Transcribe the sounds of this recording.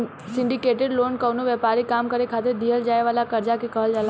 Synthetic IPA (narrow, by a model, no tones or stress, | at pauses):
sɪɳɖikeʈeɖlonkəʋnuʋɛpaɾikamkəɾekʰat̪ed̪ʱijəld͡ʒajʋalakəɾd͡ʒakekəɦəld͡ʒala